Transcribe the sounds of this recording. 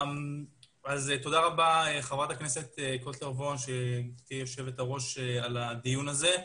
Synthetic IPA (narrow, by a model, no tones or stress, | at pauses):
azet̪o̞d̪aʁabaeχavʁat̪akne̞se̞t̪ekotleʁvonʃet̪ijo̞ʃe̞vet̪aʁo̞ʃealad̪ijunaze̞